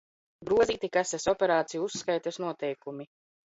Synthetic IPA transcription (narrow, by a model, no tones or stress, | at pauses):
ɡɾuɔziːt̪ikasɛsɔpʲeɾaːt̪sijuusːkajt̪asnuɔt̪ɛjkumi